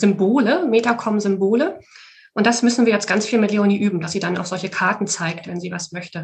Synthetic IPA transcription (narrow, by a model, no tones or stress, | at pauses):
zʏmboːləmeːtakʰɔmzʏmboːlə | ʔʊntd̥asmʏsn̩viːɐjɛt͡stɡ̥ant͡sfiːlmɪtleʊniːʔyːbm̩d̥asz̥iːdana̰ʊxzɔlçəkʰaɐtn̩t͡saɪktvɛnziːvasmœçtə